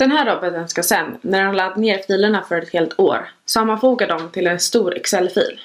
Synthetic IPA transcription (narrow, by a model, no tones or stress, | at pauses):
d̪̥ɛnɦæːɾːɔbɔt̪ənskasɛnːæɾanlad̪neːɾfiːləɳafœɾɛt̪heːlt̪ʰo̰ːɾsamːanfuːɡad̪ɔmt̪ʰɪlɛnst̪uːɾɛksɛlːfḭːl